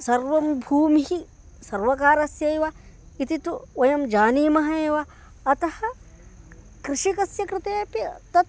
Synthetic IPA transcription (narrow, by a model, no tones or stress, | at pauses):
sɐɾʋɐmbʱuːmiɦi | sɐɾʋɐkaːɾɐsjɐjʋa | it̪it̪uʋɐjɐmd͡ʒaːniːmɐɦɐeːʋa | ɐt̪ɐhɐ̆ | kɾɪʃikɐsjɐkɾɪt̪eːpit̪ɐt̪